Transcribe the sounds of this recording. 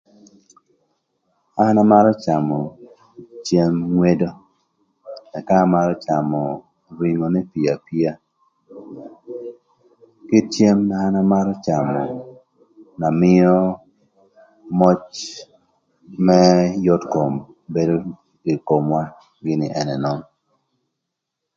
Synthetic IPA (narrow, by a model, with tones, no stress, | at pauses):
a˦na˦ma˦ɾɔ˦t͡ʃa˨mɔ˨ | t͡ʃje˦mŋwe˦do˦ | ɛ˨ka˦ma˦ɾɔ˦t͡ʃa˨mɔ˨ | ɾwi˨ŋo˨nɛ˦pi˨a˨pi˦a˦ | kɪ˦t͡ʃje˦mna˨a˦na˦ma˦ɾɔ˦t͡ʃa˨mɔ˨ | na˨mɪ˦ɔ˦ | mɔ˦t͡ʃ | mɛ˦jɔ˦tko˨m | be˦do˦ | i˨ko˨mwa˦ | ɡɪ˦nɪ˨ʔɛ˨nɛ˨nɔ˦n